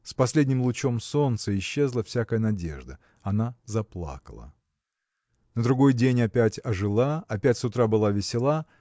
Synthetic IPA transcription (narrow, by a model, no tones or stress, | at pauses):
spɐsʲlʲedʲnʲɪmlˠʊt͡ɕo̞mso̞nt̪səɪɕːe̞zlˠəfsʲakəjənɐdʲe̞̰ʐd̪ə | ɐnazɐplˠa̰kə̰lˠə̰ | nəd̪ɾʊɡo̞jdʲenʲɐpʲætʲɐʐɨlˠaɐpʲætʲsʊt̪ɾabɨlˠavʲɪsʲɪlˠa